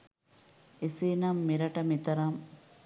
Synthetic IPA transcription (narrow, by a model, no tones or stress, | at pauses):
esiːnɐmːiɾɐʈɐmit̪ɐɾɐm